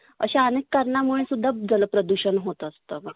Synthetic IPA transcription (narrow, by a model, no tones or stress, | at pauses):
ə̰ɕaənekːəɾɳamuɭẽsud̪ʱːad͡zaləpɾəd̪uɕənɦot̪ːst̪əma